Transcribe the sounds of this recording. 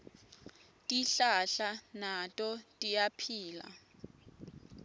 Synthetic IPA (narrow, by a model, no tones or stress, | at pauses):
tʼiɬaɬanatʼɔtʼijapʰiːla̰